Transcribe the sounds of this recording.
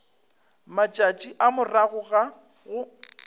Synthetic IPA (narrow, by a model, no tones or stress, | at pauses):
mat͡ʃʼat͡ʃʼiʔamʊraɣʊɣa | ɣʊ